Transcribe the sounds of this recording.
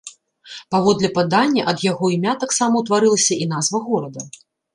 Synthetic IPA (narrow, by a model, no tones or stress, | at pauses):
pavɔd̪lʲɛpad̪anʲːɐʔɐd̪jaɣɔimʲat̪aksamɐwt̪vaɾɨlˠɐsʲɐinazvɐɣɔɾɐd̪ɐ